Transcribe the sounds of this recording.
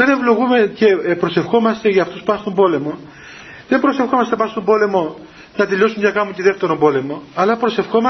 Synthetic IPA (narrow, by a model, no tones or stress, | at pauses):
ene̞vlo̞ɣume̞ce̞pɾo̞se̞fxo̞mɐst̪eʝɐːft̪uspuɐst̪o̞mbo̞le̞mo̞ | ðe̞mbɾo̞sefxomɐst̪epɐst̪o̞mbo̞le̞mo̞ | nɐt̪eʎo̞sumɲɐkɐmut̪iðeft̪e̞ɾombo̞le̞mo̞ɐlɐpɾose̞fxo̞mɐ